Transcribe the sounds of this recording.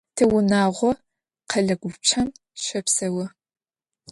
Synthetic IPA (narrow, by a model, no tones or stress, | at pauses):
tʰɨwʊnaːʁʷɔ | qɐɮɐɡʷʊt͡ʃʰɐm | ʃɐpsɐwɐ